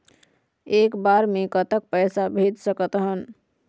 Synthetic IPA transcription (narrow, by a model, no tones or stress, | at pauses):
ekbaɾmekət̪ək̚pəjsabʱed̪səkət̪ɦən